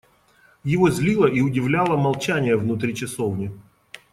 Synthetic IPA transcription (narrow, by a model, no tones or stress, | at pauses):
jɪvozʲlʲilˠəʔiʊdʲɪvlʲalˠəmɐlˠt͡ɕænʲɪjəvnʊt̪ɾʲit͡ɕɪsovnʲɪ